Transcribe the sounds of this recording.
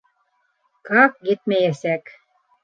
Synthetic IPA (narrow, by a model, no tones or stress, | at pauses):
kɑk̚ɡit̪mæjæsæk